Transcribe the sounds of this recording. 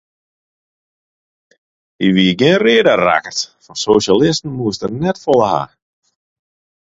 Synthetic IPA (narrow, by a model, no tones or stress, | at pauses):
iʋiɡɪənreːədəra̰kətfɔrsoːʃalɪstn̩muəstərnɛtfɔləha̰